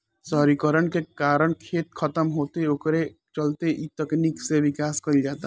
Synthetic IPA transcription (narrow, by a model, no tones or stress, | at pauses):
sɔːɾikəɾəɽ̃kekaːɾəɽ̃kʰeːt̪kʰɐt̪əmɦoːt̪eʊkɾe | t͡ʃɐlt̪eʔit̪ɛknikseʋɪkaːskɐid͡ʒaːt̪a